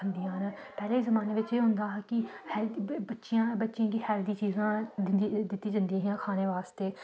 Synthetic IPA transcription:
ənd̪ijãːnːpɛːleːiːzəmaːneːʋɪt͡ʃeːɦʊ̃nd̪aːkɪhɛlbətːʃɪjãːbətːʃijãːkihɛːld̪iːt͡ʃiːzãːd̪d̪ɪt̪ːiːd͡ʒə̃nd̪ĩːɦijãːkʰaːneːʋaːst̪eː

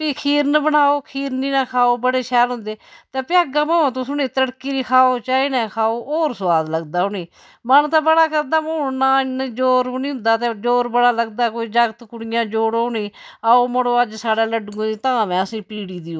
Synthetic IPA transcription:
piːkʰiːɾnəbənaːoːkʰiːɾniːnãːkʰaːoːbəɽeːʃʰɛːlɦʊ̃nd̪eːt̪eːpɪəɡãːməːãːt̪̬õːsʊnĩːt̪əɽkiːɾiːkʰaːoːt͡ʃaːiːnɛːkʰaːoːoːɾsʋaːd̪ləɡd̪aːʊnĩː | mənt̪ãːbəɽaːkəɾd̪aːmoːnaːnd͡ʒoːɾʊniːɦʊ̃nd̪aːt̪eːd͡ʒoːɾbəɽaːləɡd̪aːkoːiːd͡ʒəɡt̪kʊɽɪjãːd͡ʒoːɽoniː | aoːməɽoːəd͡ʒsaːɽaːləɖɡõːiːt̪ãːmɛ̃ːəsĩːpiːɽiːd̪iːoː

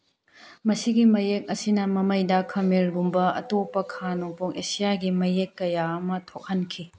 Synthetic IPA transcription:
mɐsiɡimɐjek̚ɐsinɐmɐmɐjdɐkʰɐmiɾɡumbɐɐ̰topːɐkʰanopʰuŋesijaɡimɐjekːɐjaɐmɐtʰok̚hɐnkʰi

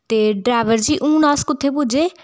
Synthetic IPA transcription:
t̪eɖɾaːʋəɾd͡ʒiːʔũːnɔ̃ːskʊt̪ʰːepʊd͡ʒʱeː

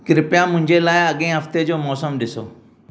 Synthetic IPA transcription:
kɪɾɪpjãmʊ̃ɦɪ̃ɲd͡ʑelaːɪɐɠẽɦɐft̪ed͡ʑoːmɔːsəmɗɪso̰ː

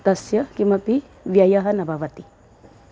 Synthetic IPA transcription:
t̪ɐsjɐkimɐpi | ʋjajaɦɐnɐbaʋɐt̪i

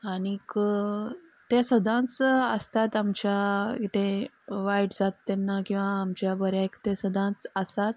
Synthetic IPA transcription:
anikə | t̪esəd̪ʱãnt͡sə̰st̪at̪amt͡ɕjait̪ẽ | ʋajʈd͡zat̪ːɛnːakĩw̃ʋaːmt͡ɕjabəɾjaekt̪ẽsəd̪ʱãt͡səsat̪̚

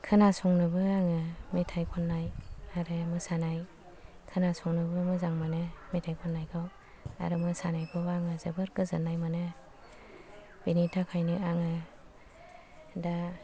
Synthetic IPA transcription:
kʰɯnasɔŋnɯbɯaŋɯmetʰajkʰɔnːajaɾɯmɯsanaj | kʰɯnasɔŋnɯbɯmɯzaŋmanɯmetʰajkʰɔnːajkʰaw | a̰ɾɯmɯsanajpʰɔaŋɯzɯbɯɾɡɯzɯnajmanɯ | b̥initʰakʰajnɯaŋɯ | da

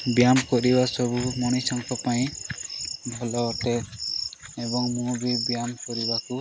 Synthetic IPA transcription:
bjamkɔɾibasɔbumɔɽ̃isɔŋkʰɔpaj̃ | bʱɔlɔɔʈɛ | ɛbɔŋmubibjamkɔɾibaku

